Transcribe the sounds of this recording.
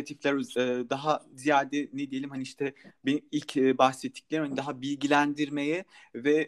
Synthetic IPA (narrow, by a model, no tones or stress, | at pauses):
at̪ʰiflʲæɾøɯːd̪aɦazijaːd̪ɛnɛd̪ijelʲimhɦaniiʃt̪ʰɛbenimilʲcʰːbaxsɛt̪ʰːi̥clʲeimhanid̪aɦabilʲɟilʲænd̪iɾme̞jɛ | vɛ